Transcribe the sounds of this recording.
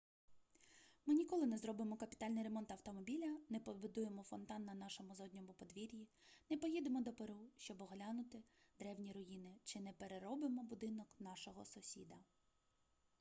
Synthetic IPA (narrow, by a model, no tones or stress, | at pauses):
mɪnʲikɔlˠɪnɛzɾɔbɪmɔkɐpʲi̥t̪ɑlʲnɪjɾe̞mɔnt̪ɐwt̪ɔmɔbʲilʲɐnɛpɔbʊd̪ujemɔfɔnt̪ɑnːɐnɑʃɔmʊzɔdʲnʲɔmʊpɔd̪ʋʲiɾʲjinɛpɔjid̪emɔd̪ɔpeɾuʃt͡ʃɔbɔɦlʲanʊt̪ɪd̪ɾɛwnʲiɾɔjinɪt͡ʃɪnɛpeɾeɾɔbɪmɔbʊd̪ɪnɔknɑʃɔɦɔsʊsʲḭd̪ɐ